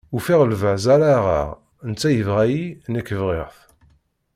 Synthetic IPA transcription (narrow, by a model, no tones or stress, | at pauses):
ufiʁəlvəʕzæɾaʁa̰ʁ | ənt͡sːæjəvʁæjinəkːəvʁɪʁθ